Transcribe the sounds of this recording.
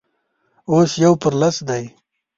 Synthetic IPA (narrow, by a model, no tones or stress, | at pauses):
oːsjawpəɾlasd̪aj